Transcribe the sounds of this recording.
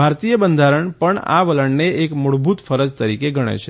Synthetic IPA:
bʱaɾt̪ijəbənd̪ʱaɾəɳpəɳa̰ʋələɳneekmoɽbʱut̪fəɾəd͡ʒt̪əɾikeɡʱəɽ̃ḛt͡ʃʰe

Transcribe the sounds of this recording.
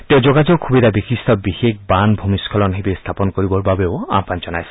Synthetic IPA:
tɛ̃ʊ̃zɔɡazɔkxʰubidabixistʰɔbixekbanbʱumiskʰɔlɔnɦebest̪ʰapɔnkoɹibɔɹbabeʊa̰panzɔnajsɛ̥

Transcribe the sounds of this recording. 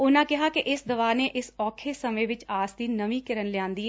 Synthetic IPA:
ʊnãːkɪɦaːkɪʔɪsd̪əʋaːneːʔɪsɔːkʰeːsəmẽːʋɪt͡ʃaːsd̪iːnəmĩːkɪɾənlɪjãːnd̪iːɛː

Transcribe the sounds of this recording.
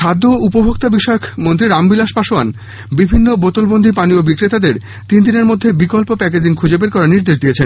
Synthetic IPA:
ʃad̪ʱːoupobʱok̚t̪abiʃɔeokmont̪ɾiɾambilaʃpaʃoan | bibʱinːobot̪olbond̪ʱipaniobikɾet̪ad̪eɾ | t̪ind̪ineɾmod̪ʱːebikolpopɛk̬ed͡ʑiŋkʰud͡ʑebeɾkɔɾaniɾd̪eʃ̬d̪ijet͡ɕʰen

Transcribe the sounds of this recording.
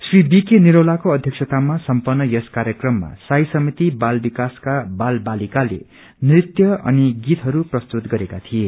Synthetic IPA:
sribikeniɾʌlakoʌd̪ʱjʌksʰʌt̪amasʌmpʌrnːʌjʌskaɾjʌkrʌmːa̰sajsʌmit̪ibalbikaskabalbalikalḛ | nrit̪jʌʌ̰niɡit̪ɦʌɾuprʌst̪ut̪ɡʌɾekat̪ʰie

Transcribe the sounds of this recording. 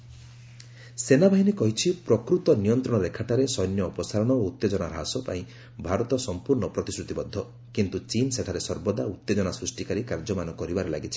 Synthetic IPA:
senabʱaɦinikɔɦit͡ʃʰipɾɔkɾut̪ɔnijɔnt̪ɾɔɽɔɾekʰaʈaɾesɔjnjɔːpɔsaɾɔɽ̃ɔout̪ːed͡ʒɔñaɾɦasɔpa̰ĩ | bʱaɾɔt̪ɔsɔmpuɾɳɔpɾɔt̪isɾut̪ibɔd̪ʱːɔ | kint̪ut͡ʃinseʈʰaɾesɔɾbɔd̪aut̪ːed͡ʒɔñasɾusʈikaɾikaɾd͡ʒɔmanɔkɔɾibaɾela̰ɡit͡ʃʰi̥

